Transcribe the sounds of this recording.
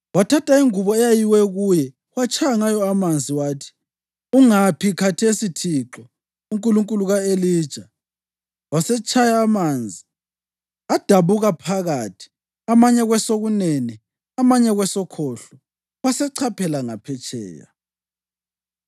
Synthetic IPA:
watʰatʰʼaiŋuβɔɛjajiwɛɣujɛ | wat͡ʃʰʼajaŋajɔamand͡zʱiwaːtʰi̥ | uŋapʰikʰatʰesitʰiǁɔ | uŋkʼuluŋkʼuluɣaeliːd̥ʒ̥ʱa | wasɛt͡ʃʰʼajaːmand͡zʱi | ad̥ʱaβuɣapʰaɣatʰi̥ | amaɲɛɣwɛsoɣuneni | amaɲɛɣwɛsɔkʰɔɬɔ | wasɛǀʰapʰɛlaŋapʰɛt͡ʃʰʼɛ̰ːja̰

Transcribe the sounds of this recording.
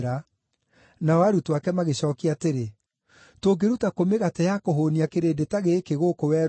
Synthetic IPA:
ɾa | naɔaɾutwakɛmaɣeɕɔːkiateɾe | toːɡeɾutakomeɣatɛjakoɦoːniakeɾeːdetaɣeːkeɣokowɛ

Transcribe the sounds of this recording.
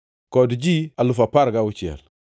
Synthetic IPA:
kodid͡ʒialufapaɾɡawut͡ʃia̰l

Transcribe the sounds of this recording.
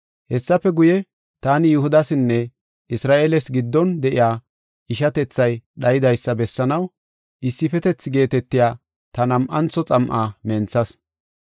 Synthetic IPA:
hɛsːɐfɛɡʊjɛ | t̪aːnɪjʊhʊd̪ɐsɪnːɛ | ʔɪsɾaːʔeːlɛsɡɪd̪ːɔnd̪ɛʔɪ̰jaː | ʔɪʃɐt̪ɛt͡sːɐjɗɐjɪd̪ɐjsːɐbɛsːɐnɐw | ʔɪsːɪfɛt̪ɛt͡sːɪɡe̞ːt̪ɛt̪ːɪjaː | t̪ɐnɐmʔɐnt͡sːɔt͡sʼɐmʔaːmɛnt͡sːɐs

